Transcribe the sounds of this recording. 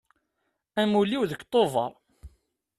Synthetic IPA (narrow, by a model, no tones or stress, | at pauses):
æmuliwðəkːt̪ˤːovɑ̰ɾˤ